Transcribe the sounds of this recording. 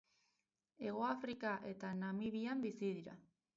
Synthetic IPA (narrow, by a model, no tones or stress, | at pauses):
e̞ɣ̞o̞afɾikaʔe̞t̪anamiβiambisiðiɾa̰